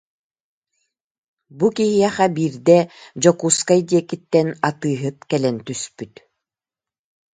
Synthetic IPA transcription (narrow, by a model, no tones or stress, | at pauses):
bukiɦiɛχabiːɾd̪ɛd͡ʑɔkuːskaid̪iɛkːit̪ːɛnat̪ɯːɦɯt̪̚kɛlɛnt̪yspyt̪